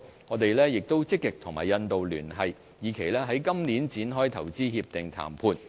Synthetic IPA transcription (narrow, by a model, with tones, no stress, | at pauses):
ŋɔː˨˧t̪e˨jlɛː˥jɪ˨k̚t̪o˥wt͡sɪ˥kːɪ˨k̚t̪ʰʊ˨˩ŋma̰ː˨˩jɐ˧nt̪o˨wlyː˨˩nɦɐ˨j | jiː˨˩kʰe˨˩jlɛː˥ɦɐ˨˥jkɐ˥mni˨˥nt͡siː˨˥nɦɔː˥jt̪ʰɐ˨˩wt͡siː˥hiː˧p̚t̪ɪ˨ŋt̪ʰa̰ː˨˩mpʰuː˧n